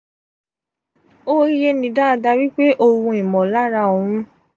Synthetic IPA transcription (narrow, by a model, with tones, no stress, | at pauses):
o˦i˦je˧nĩ˨da˦a˧da˧wi˦k͡pe˦ʔo˧wũ˧˦i˨mɔ̃˨la˦ɾa˧˦˨o˨˧˨ɾ̃ũ˦